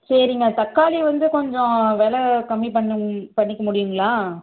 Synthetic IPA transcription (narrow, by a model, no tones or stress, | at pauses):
sɐɾɪŋɡɐt̪ɐkːaːliʋɐnd̪ɯkɔɲd͡ʒɔ̃ʋeːlɐkɐmːipɐɳːɯpɐɳːɪkːɐmʊɽɪjɯŋɡɐlãː